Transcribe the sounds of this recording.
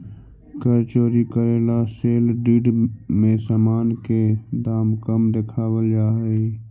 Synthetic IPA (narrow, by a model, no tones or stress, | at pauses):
kəɾt͡ʃoːɾikəɾeːlaseːlɖiːɖmẽsaːmaːnked̪aːmkəmd̪ekʰaːwəld͡ʒaːɦi